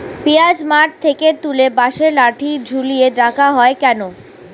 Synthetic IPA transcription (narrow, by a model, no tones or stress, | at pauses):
pijad͡ʑmaʈ̚t̪ʰeket̪ulebaʃeɾlaʈʰid͡ʑʱulijeɖakʰaɦɔekɛno